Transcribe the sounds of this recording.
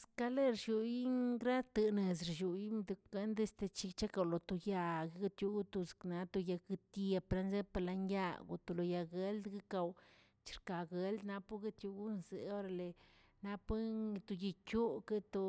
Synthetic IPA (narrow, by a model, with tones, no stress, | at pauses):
ska˧˦le˦ɾʃu˧ji˦ŋɡɾa˦t̪ɨ˧ne˨zɾʃu˨ji˦md̪u˧ke˦nd̪e˦st̪e˧t͡ʃi˧t͡ʃa˦ka˧˨wlo˨t̪o˧ja˧ɡe˦ɡa˦t̪ju˧˦ɡu˦t̪u˧z̥kna˧t̪o˧ja˧ki˧t̪e˧pɾa˧nze˦pa˧la˧nja˦˧ɡo̰˧˨t̪o˧lo˧ja˧ɡe˧ld̪ɡi˦ka˧w | t͡ʃi̥˧˨ɾka˨ɡe˦ld̪na˧pu˦ɡe˦t̪ju˧ɡu˦nzḛ˨o˦ɾa˧le˨ | na˧˦pe˦˧t̪o˧ji˧kʲu˦ke˦t̪o˧